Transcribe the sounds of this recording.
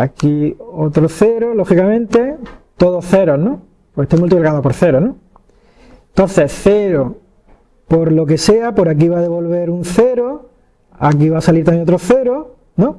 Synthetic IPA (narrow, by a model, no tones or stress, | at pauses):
akiot̪ɾoθe̞ɾolo̞xikamẽnt̪e̞t̪o̞ðoθe̞ɾonõ | pwoet̪emult̪iplkaðopoɾθe̞ɾonõ | nt̪o̞nθe̞θe̞ɾo | po̞ɾlo̞ke̞se̞apo̞ɾak̬iβaðe̞βo̞lβe̞ɾunθe̞ɾo | ak̬iβasaliɾt̪amjẽot̪ɾoθe̞ɾo | nõ